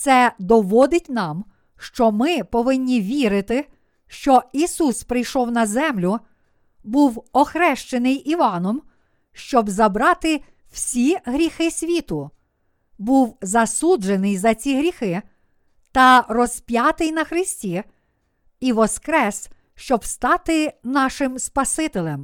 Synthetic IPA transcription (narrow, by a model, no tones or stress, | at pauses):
t̪sɛd̪ɔʋɔd̪ɪtʲnɑm | ʃt͡ʃɔmɪpɔʋɪnʲːiʋʲiɾɪt̪ɪ | ʃt͡ʃɔisuspɾɪjʃɔwnɐzɛmlʲʊ | buwɔxɾɛʃt͡ʃenɪjiʋɑnɔm | ʃt͡ʃɔbzɐbɾɑt̪ɪ | w̥sʲiɦɾʲixɪsʲʋʲit̪ʊ | buwzɐsud͡ʒenɪjzɐt͡sʲiɦɾʲixɪ | t̪ɐrɔspʲjɑt̪ɪjnɐxɾɪsʲtʲi | iʋɔskɾɛs | ʃt͡ʃɔbst̪ɑt̪ɪnɑʃɪmspɐsɪt̪ɪlʲˠɛm